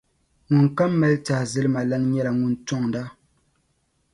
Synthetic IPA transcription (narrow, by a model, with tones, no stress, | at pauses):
ŋu˨ŋka˦mːɛ˦lta˨zɪ˦lɨ˦ma˨la˦n˦ɲɛ˦la˨ŋu˨ntɔ˦ŋda˦